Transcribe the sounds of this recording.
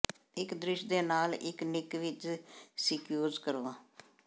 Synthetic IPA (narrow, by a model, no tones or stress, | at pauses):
ɪkd̪ɾɪʃd̪eːnaːlɪ̰knɪkʋɪt͡ʃsɪkjoːzkəɾoːãː